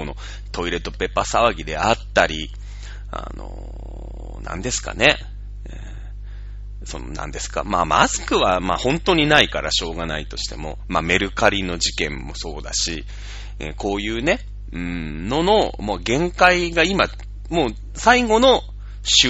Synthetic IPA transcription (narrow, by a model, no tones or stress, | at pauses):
ono̞̰ | t̪o̞iɾe̞t̪ːo̞pe̞pːasaβaɡʲid̪e̞̰at̪ːaɾʲi | a̰no̰ | nã̰nd̪e̞sɨ̥ka̰ne̞ | so̞̰no̰nã̰nd̪e̞sɨ̥ka̰maːmasɨ̥kɯ̟βamaːhõ̞nt̪o̞ɲ̟inaikaɾaɕo̞ːɡanait̪o̞ɕi̥t̪e̞̰mo̞̰mame̞ɾɯ̟kaɾʲino̞ʑikẽ̞mːo̞so̞ːd̪aɕi | ḛko̞ːjɯ̟ːne̞ | ɯ̟̃ | no̞no̞maɡẽ̞ŋkaiɡaima | moː | saiɡo̞no̞ | ɕɨ